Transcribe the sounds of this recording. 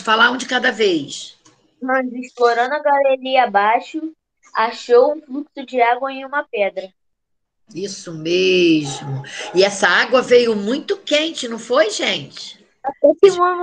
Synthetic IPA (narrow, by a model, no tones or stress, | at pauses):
falaõd͡ʒɪkad̪ɐvejs | mɐ̃zɪʃploɾɐ̃d̪ʊɐɡaleliabaʃʊ | aʃowũfluksʊd͡ʒɪaɡwɐẽj̃ũmɐpɛd̪ɾɐ | isʊmeʒmʊɪɛsɐaɡwɐvejʊmũj̃t̪ʊkẽt͡ʃɪnɐ̃w̃fojʒẽt͡ʃɪ̥ | atɛkɪũmɐ